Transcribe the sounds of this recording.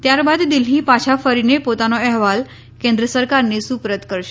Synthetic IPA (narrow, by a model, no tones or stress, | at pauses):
t̪jaɾbad̪d̪ilɦipat͡ɕʰafəɾinepot̪anoɛɦʋal | kẽnd̪ɾəsəɾkaɾnesupɾət̪kəɾʃe̥